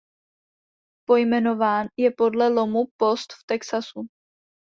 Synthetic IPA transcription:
po̞jmɛno̞vaːnjɛpo̞dlɛlo̞mupo̞st̪ft̪ɛksasu

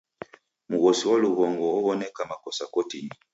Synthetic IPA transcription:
muɣɔsiwaluβɔŋɡɔːβɔnɛkamakɔsakɔtini

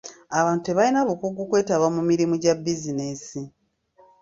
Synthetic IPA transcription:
aβaːntueβalinaβukuɡːukwe̞ːtaβwamumiɾimuɟabizinesi

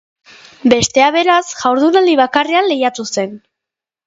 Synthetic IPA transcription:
be̞st̪e̞aβe̞ɾasʝawɾðunald̪iβ̞akareanle̞jat̪use̞n

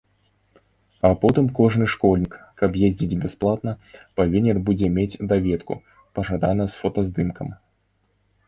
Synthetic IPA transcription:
ɐpɔt̪ɨmkɔʐnɨʂkɔlʲnʲikkɐbjezʲd͡zʲid͡zʲbʲɛsplˠat̪nɐpavʲinʲɛnbud͡zʲɛmʲet͡sʲd̪avʲɛt̪kṵ | pɐʐad̪anɐsfɔt̪ɐzd̪ɨmkɐm

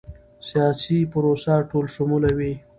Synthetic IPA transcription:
sijɑsipʊɾosaʈolʃʊmulawi

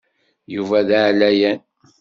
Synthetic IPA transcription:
juvæðaʕlæjæn

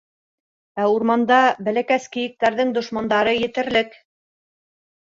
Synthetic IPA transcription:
æuɾmɑnd̪ɑbæ̆lækæskɘ̆jɘ̆k̚t̪æɾðɘŋd̪ŏʃmɑnd̪ɑɾɤjɘ̆t̪ɘ̆ɾlɘk

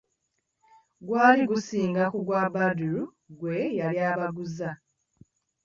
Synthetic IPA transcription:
ɡwaːliɡusiːŋɡakuɡwabaduɾu | ɡwejaljaːβaɡuza

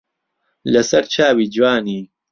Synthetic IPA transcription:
lɐsɐɾt͡ʃʰaːwiːd͡ʒwaːniː

